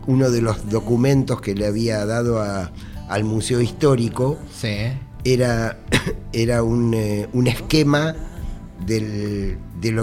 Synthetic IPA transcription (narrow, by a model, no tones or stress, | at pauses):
uno̞ðelo̞zðo̞kumẽ̞nt̪o̞skeleaβiaðað̞oa | almuseoist̪o̞ɾiko̞ | sieɾa | eɾaununeskema | ðe | ðelo